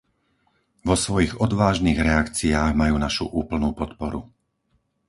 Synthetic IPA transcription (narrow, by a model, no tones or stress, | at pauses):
ʋɔsʋɔjiɣɔd̪ʋaːʒniːɣɾɛakt͡siaːɣmajuːnaʃṵʔuːpl̩nuːpɔt̪pɔɾu